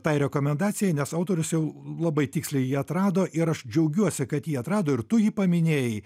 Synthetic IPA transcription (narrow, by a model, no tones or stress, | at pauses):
t̪ɐɪɾʲɛkoːmʲɛnd̪ɑːt̪sʲɪjɛɪnʲɛsɐʊt̪oːɾʲʊsjɛʊlˠɐbɐɪt̪ʲɪːksʲlʲɛɪjiːɐt̪ɾɑːd̪oːʔɪɾɐʃd͡ʒʲɛʊɡʲuɔsʲɪkɐt̪jiːɐt̪ɾɑːd̪oːɪɾt̪ʊjiːpɐmʲɪnʲeːjɛɪ